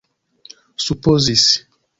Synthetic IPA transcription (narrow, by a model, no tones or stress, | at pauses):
supɔzis